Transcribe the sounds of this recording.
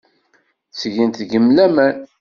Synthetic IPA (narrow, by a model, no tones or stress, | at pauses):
sʝint̪ɡəmlæmæn